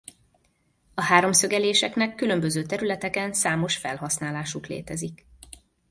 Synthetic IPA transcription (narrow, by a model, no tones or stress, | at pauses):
ɒhaːɾo̞msø̞ɡɛleːʃɛknɛkːylø̞mbøzøːt̪ɛɾylɛt̪ɛkɛnsaːmo̞ʃfɛ̰lɦɒsnaːlaːʃuklḛːt̪ɛzik